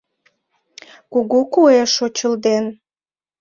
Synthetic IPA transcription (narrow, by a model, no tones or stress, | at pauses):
kuɣukueʃot͡ɕəld̪en